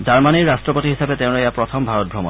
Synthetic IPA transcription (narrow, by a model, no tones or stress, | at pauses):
zaɹmaniɹːastɹɔpotiɦisabeteʊ̃loejapɹɔt̪ʰɔmbʱaɹɔt̚bʱɹɔmɔn